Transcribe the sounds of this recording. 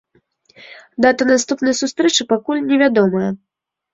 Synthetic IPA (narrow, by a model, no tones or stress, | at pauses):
d̪at̪ɐnast̪upnɐjsust̪ɾɛt͡ʂɨpakulʲnʲɛvʲad̪ɔmɐjɐ